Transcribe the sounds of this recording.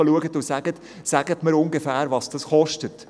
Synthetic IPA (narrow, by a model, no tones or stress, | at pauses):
əluəɡətʊsæɡ̥ət | sæɡ̥ətməɾʊŋɡəfæːɾʋɑsd̥ɑsχɔʃtət